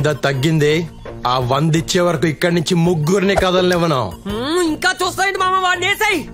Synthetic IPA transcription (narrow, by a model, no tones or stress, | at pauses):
d̪ɐːt̪ɐɡːind̪i | aːʋɐnd̪it͡ʃːeːʋɐɾɐkuikːɐɽnuɲt͡ʃimuɡːuɾnikɐd̪ɐlɐnɛʋːɐnɐmiŋkaːt͡ʃuːst̪aːjɐɳɖimaːmɐʋaːɽneːsɐji